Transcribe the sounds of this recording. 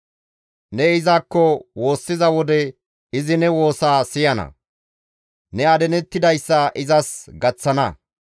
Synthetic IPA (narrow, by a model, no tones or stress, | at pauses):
nɛɪzaːkːɔwo̞ːsːɪzɐwɔd̪ɛ | ɪzɪnɛwo̞ːsaːsɪjɐnɐ̰ | nɛɐd̪ɛnɛt̪ːɪd̪ɐjsːɐʔɪzɐsɡɐt͡sːɐnɐ